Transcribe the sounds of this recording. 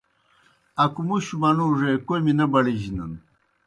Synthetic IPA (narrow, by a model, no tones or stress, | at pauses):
ɐkumuɕumɐnuʐekojminɐbɐɽiʑinɐ̰n